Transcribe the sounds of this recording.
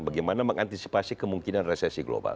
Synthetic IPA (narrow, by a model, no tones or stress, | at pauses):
baɡajmanaməŋant̪isi̥pasikəmuŋkinanresɛsiɡlo̰ba̰l